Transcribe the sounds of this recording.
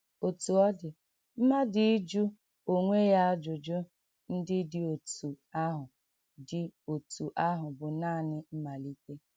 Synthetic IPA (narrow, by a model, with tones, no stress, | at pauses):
o˨tu˨ɔ˦dɪ˨ | m̩˦ma˦dɪ˨i˦d͡ʒu˦ | o˨ŋʷe˦ja˦a˦d͡ʒʊ˨d͡ʒʊ˦ | n̩˦dɪ˦dɪ˨o˨tu˨ | a˦ɦʊ˨ | dɪ˨o˨tu˨ʔa˦ɦʊ˨bʊ˨naː˦˨nɪ˦m̩˦ma˨li˦te˦